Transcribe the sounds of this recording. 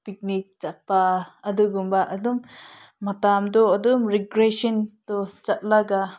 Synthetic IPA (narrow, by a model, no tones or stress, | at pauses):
pik̚nik̚t͡ʃat̚paɐduɡumbaʔɐdumːatamdɔɐdumɾiɡɾesɔntɔt͡ʃat̚laɡa